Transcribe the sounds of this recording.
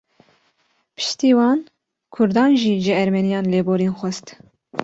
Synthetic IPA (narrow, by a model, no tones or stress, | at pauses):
pʰɨ̥ʃt̪iːwɑːn | kʰʊɾd̪ɑːnʒiːʒɨɛɾmɛnijɑːnleːboːɾeːnxʷɛst̪